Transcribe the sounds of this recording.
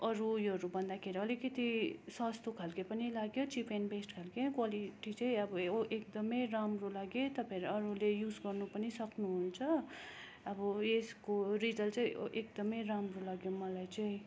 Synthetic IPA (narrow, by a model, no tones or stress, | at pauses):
ʌɾujʌɾubʱʌnd̪akʰeɾiʌlikʌt̪iswast̪okʰalkepʌnilaɡjot͡sipʰenbesʈkʰalkekwaliʈit͡sʌĩʌbʌʔek̚d̪ʌmʌjramrolaɡjet̪ʌpãeɾʌɾulejud͡zɡʌrnupʌnisʌknuɦunt͡sʰʌ | ʌbʌeskorid͡zʌlt͡sʌĩʔekd̪ʌmʌjramrolaɡjomʌlajt͡sʌĩ